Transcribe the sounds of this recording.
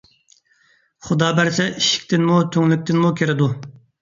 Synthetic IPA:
χʊd̪ɑːbæɾsɛʔiʃi̥kʲt̪ʰɪnmut̪ʰøŋlyk̚ʲt̪ɪnmukʲʰeɾɪd̪u

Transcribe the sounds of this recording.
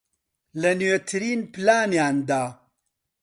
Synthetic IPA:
lɐnɥet̪ʰɨɾiːnpɨlaːnjaːnd̪aː

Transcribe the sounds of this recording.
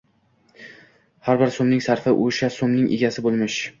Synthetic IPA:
haɾbɪɾsomnɪŋsaɾfɪʔoʃasomnɪŋʔḛɡʲasɪbolˠmɪʃ

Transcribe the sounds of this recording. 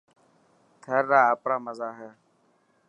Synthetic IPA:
t̪ʰəɾːaːəpɽaːməzaːɦɛː

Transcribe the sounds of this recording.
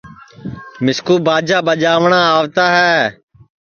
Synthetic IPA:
mɪskuːbʱaːd͡ʒaːbəd͡ʒaːʋɳãːaːʋt̪aːɦɛː

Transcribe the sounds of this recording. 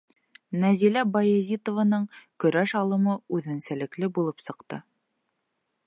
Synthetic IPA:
næzilæbɐjezʲit̪ŏvənɤɴkɵ̆ɾæʃɑlˠɤ̆mɤʉðɘ̆nsælɘ̆klɘbulˠɤpsɤ̆qt̪ɤ̰

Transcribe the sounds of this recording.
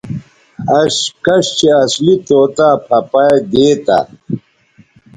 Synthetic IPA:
ɐɕkɐɕt͡ɕeɐslit̪oːt̪apʰɐpajd̪eːt̪a̰

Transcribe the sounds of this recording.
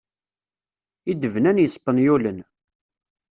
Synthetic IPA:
id̪əvnænjəspːənjulən

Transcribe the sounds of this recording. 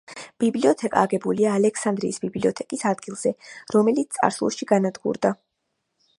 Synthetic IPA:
b̥ibliɔt̪ʰɛkʼa̰ːɡɛbuliaːlɛkʰsand̪ɾḭːsbibliɔt̪ʰɛkʼisad̪̚ɡilˠz̥ɛɾɔmɛlit̪ssʼa̰ɾslˠɔ̰ʃiɡanad̪ɡṵɾd̪a

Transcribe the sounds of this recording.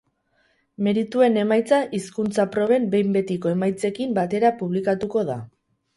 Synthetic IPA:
me̞ɾit̪ue̞ne̞majt͡saʔiskunt͡sapɾo̞βe̞mbe̞jmbe̞t̪iko̞e̞majt͡se̞kimbat̪e̞ɾapuβlikat̪uko̞ða

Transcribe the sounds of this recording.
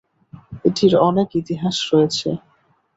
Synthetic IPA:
eʈiɾɔnekit̪iɦaʃɾoet͡ɕʰḛ

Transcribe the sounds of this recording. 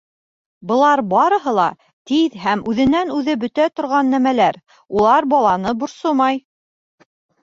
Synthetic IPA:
bɤ̆lˠɑɾbɑɾɤ̆ɦɤ̆lˠɑ̰ | t̪iðɦæmʉðɘ̆nænʉðɘbɵ̆t̪æt̪ŏɾʁɑnːæmælæɾ | ulˠɑɾbɑlˠɑnɤbŏɾsomɑj

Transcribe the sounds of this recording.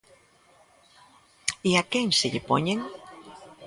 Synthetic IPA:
eakeŋseʎepo̰ɲeŋ

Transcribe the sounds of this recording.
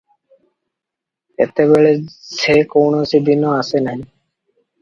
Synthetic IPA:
ḛt̪eβeɭesʰekownoesibʱinːoasenai

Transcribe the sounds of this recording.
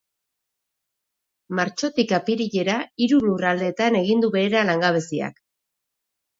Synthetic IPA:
maɾt͡ʃo̞t̪ikapiɾiʎe̞ɾaiɾulurald̪e̞ːt̪ane̞ɣ̞ind̪uβe̞eɾalaŋɡaβ̞e̞sia̰k

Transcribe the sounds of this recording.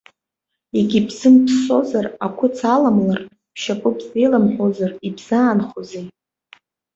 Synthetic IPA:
eɡʲibzɨmpʰso̞zarakʷʰʊt͡sʰalamlar | pʰʃapʷʼʊpʰʼzejlamħʷozaribz̥aːnχozej

